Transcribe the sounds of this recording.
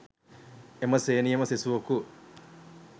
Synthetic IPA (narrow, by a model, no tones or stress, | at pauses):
emɐseːnijɐmɐsesuʋɐku